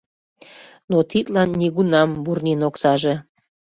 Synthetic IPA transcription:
not̪it̪lɑnːiɣunɑmburnʲinoksɑʒe

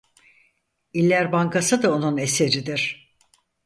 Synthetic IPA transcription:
ilʲːæɾbaŋkʰasɯd̪ao̞nune̞se̞ɾid̪iɾ̥

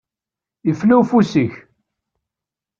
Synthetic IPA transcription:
jəflæwfusiç

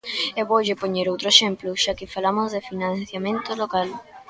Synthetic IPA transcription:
ɛβoʒepoɲeɾowt̪ɾoeʃemplʊʃakɪfalamozðefinãnθjamẽnt̪olokal

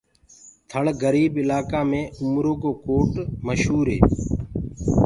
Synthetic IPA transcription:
t̪ʰəɭɡəɾiːbɪlaːkaːmẽːʊmɾoːɡoːkoːʈməʃɦuːɾɦḛː

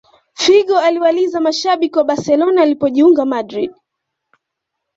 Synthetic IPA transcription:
fiɠɔaliwalizamaʃaɓikiwaɓaɾsɛlɔnaːlipɔʄiuŋɡamadɾḭɗ

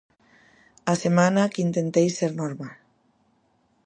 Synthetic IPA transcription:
asemãnakint̪ẽnt̪ejsːeɾnoɾmal

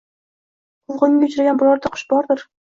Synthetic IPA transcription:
qʰʊlˠʁɨnɪŋʲɡʲaʊt͡ʃʰɾaɡʲanbʊlˠɒɾd̪aqʰʊ̥ʃbɒɾd̪ɪɾ

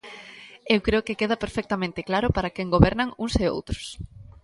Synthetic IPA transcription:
ewkɾeokekeðɐpeɾfɛk̚t̪amẽnt̪ɪklaɾʊpaɾakeŋɡoβɛɾnɐŋuŋseo̰wt̪ɾʊ̥s

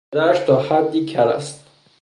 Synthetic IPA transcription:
d̪æːʃt̪ʰɒːhæd̪ːiːkʰæɾæ̰st̪̚

